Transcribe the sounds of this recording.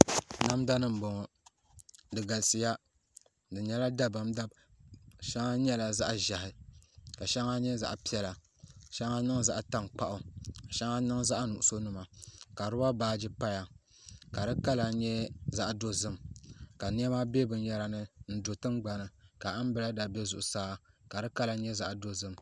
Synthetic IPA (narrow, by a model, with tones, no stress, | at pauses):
na˦m˦da˦nɨ˦m̩˨bo˨ŋɔ˨ | dɨ˨ɡa˨lsi˨ja˦ | dɨ˨ɲɛ˦la˦da˦ba˨m˦da˦b̚ | ʃɛ˦ŋa˦ɲɛ˦la˨za̰˦ʔʒa˨hɪ˨ka˨ʃɛ˦ŋa˦ɲɛ˦za̰˦ʔpi˦ɛ˦la˨ | ʃɛ˦ŋa˦nɨ˦ŋza˦ʔa˨ta˦ŋk͡pa˦˨ʔʊ˨ka˨ʃɛ˦ŋa˦nɨ˦ŋza˦ʔnu˨ʔʊ˨so˦nu˨ma˨ka˨ɾɨ˦ba˦baː˦d͡ʒi˦pa˦ja˨ | ka˨dɨ˦ka˦la˨ɲɛ˦za˦ʔdo˦zɨ˦mka˨ni˦ɛ˦maː˦be˦bɨ˨n˦ja˦ɾa˨nɨ˦n̩˦do˨tɨ˦mɡ͡ba˨nɨ˨ka˨a˦m˦bɨ˦la˦da˨bɛ˦zʊ˨ʔʊ˨saː˦ka˨dɨ˦ka˦la˨ɲɛ˦za˦ʔdo˦zɨ˦m